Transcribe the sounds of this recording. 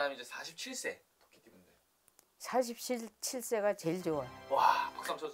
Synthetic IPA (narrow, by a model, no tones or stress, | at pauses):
amiid͡ʑesʰaɕʰip̚t͡ɕʰiɭs͈e̞ | to̥k͈ʰe̥tk͈ibunde | sʰaɕ̬ʰip̚ɕʰit͡ɕʰiɭs͈e̞ɡat͡ɕe̞ɭd͡ʑowawapak̚s͈amt͡ɕʰo